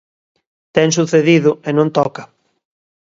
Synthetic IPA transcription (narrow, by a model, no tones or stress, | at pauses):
t̪ɛŋs̬uθeðiðʊenõnt̪ɔkɐ